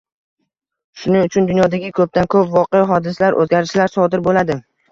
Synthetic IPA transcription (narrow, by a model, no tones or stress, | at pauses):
ʃʊnɪŋʊt͡ʃʰʊnd̪ʊnjɒd̪aɡʲɪkʰɵp̚t̪ankʰɵpvɒqejɦɒd̪ɪsalaɾʔɵ̰zɡʲaɾɪʃlaɾsɒd̪ɪɾbolad̪ɪ